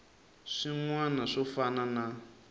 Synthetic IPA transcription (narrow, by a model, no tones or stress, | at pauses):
ʂiŋwanaʂɔfanana